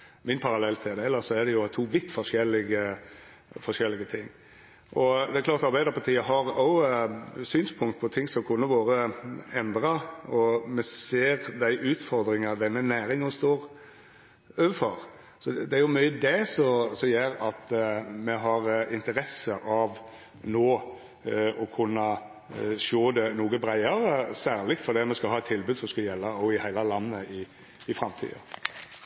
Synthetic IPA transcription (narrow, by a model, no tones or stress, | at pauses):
mɪnpʰɑɾɑlɛlːt̪ʰɛd̪ɛɛlːəsɔæd̪ɛjʊt̪ʰuːʋɪt̪ːfɔʂɛlːɪɡə | fɔʂɛlːɪɡət̪ʰɪŋː | ʔɔd̪ɛæɾkʰlɑːɾt̪ɑɾbæɪd̪əɾpɑɾt̪ʰiːəɦɑɾɔʊ | syːnspʰʊŋkt̪̚pʰɔt̪ʰɪŋsɔmkʰʊnːəʋoːɾəɛnd̪ɾɑɔmɛseːɾd̪æɪʔʉːt̪fɔɾd̪ɾɪŋɑd̪ɛnːənæːɾɪŋɔst̪oːɾ | øːʋəfɔɾ | sɔd̪ɛæɾjʊmœʏəd̪ɛsɔsɔmjeːɾɑt̪mɛɦɑɾɪnt̪əɾɛsəʔɑʋ | noː | ɔkʰʉnːɑ | ʃoːd̪ɛnuːɡəbɾæɪɑɾəsæːʁlɪt̪fɔɾd̪iːɑt̪mɛskɑhɑːɛt̪ʰːɪlbʉːd̪sɔmskɑljɛlːɑɔɪhæɪlɑlɑnːəɪ | ɪfɾɑmt̪ʰḭːɑ̰